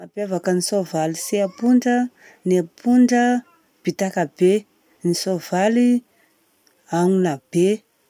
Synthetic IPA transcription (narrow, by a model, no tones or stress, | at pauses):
mapjavakənisovaliseapuɳɖ͡ʐə | napuɳɖ͡ʐə | b̥it̪akab̥e | nisovali | aŋunab̥e